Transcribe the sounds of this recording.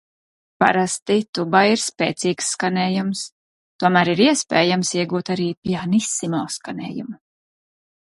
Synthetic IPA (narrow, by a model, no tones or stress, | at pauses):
pa̰ɾast̪it̪ubaiɾspeːt̪siːksːkaneːjums | t̪uɔmæːɾiɾiɛspeːjamsiɛɡuːt̪aɾiːpianisːimɔlskanɛ̰ːjṵmu